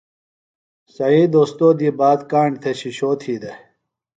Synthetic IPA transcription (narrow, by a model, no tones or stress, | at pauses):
sɐiːd̪oːst̪oːd̪iːbaːd̪kaːɳt̪ʰeɕiɕoːt̪ʰiːd̪e